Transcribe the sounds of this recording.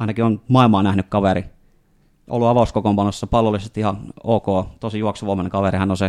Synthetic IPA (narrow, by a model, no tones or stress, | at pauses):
ɑˑinɑkionmɑˑilmɑːnæhnykkɑʋeri | ʔo̰lːuɑʋɑˑuskokompɑnːosːɑpɑlːolːˑisest̪ihɑnoːkoːt̪oˑsijuɑksuʋoˑmɑneŋkɑʋerihɑnːonse